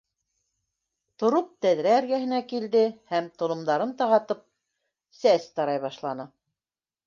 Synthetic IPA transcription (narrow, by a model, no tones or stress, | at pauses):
t̪ŏɾop̚t̪æðɾæːɾɡæɦɘ̆nækild̪ɘhæmt̪ŏlˠŏmd̪ɑɾɤnt̪ɑʁɑt̪ɤp̚ | sæst̪ɑɾɑjβɑʃlˠɑnɤ